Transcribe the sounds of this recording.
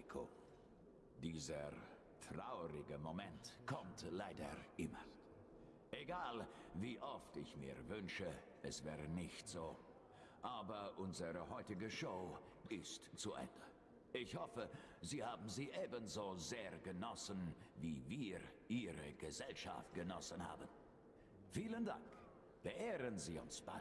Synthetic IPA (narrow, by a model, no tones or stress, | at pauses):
kʰo | d̥iːzə | tʁ̥aʊʁɪɡəmomɛntkʰɔmtlaɪdɐ̰ʔɪmɐ | ʔeɡaːlviːʔɔftɪçmḭːɐvʏnʃə | ɛsv̥ɛːʁənɪçtz̥oː | ʔaːbɐʔʊnzəʁəhɔʏtɪɡəʃoʊ | ɪstt͡suʔɛ̰ndə | ɪçhɔfəziːhaːbm̩ziːʔeːbənzoːzeːɐɡənɔsənviːviːʁʔiːʁəɡ̥əzɛlʃa̰ft̚ɡ̥ənɔsənha̰ːbən | fiːlənda̰ŋk | b̥əʔeːʁənziːʊ̰nsb̥a̰ɪ